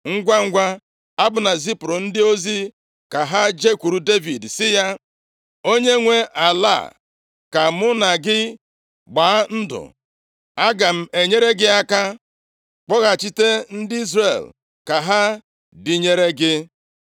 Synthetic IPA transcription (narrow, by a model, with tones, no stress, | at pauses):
ŋ̩˦ɡʷa˦ŋ̩˦ɡʷa˦ | a˦bʊ˨na˨si˦pɾʊ˨n̩˦dɪ˦o˦zi˦ | ka˨ɦa˦d͡ʒe˦kʷu˨ɾu˨de˦vi˨dsɪ˦ja˦ | o˦ɲe˦ŋʷe˦ʔa˨la̰˦˨ | ka˨mʊ˦na˨ɡɪ˦ | ɡ͡baː˨˦n̩˦dʊ̰˨ | a˦ɡa˨m̩˦e˨ɲe˦ɾe˦ɡɪ˦a˦ka˦ | k͡pɔ˦ɣa˨t͡ʃi˦te˦n̩˦dɪ˦i˦zre˨l | ka˨ɦa˦ | di˨ɲe˦ɾe˦ɡɪ˦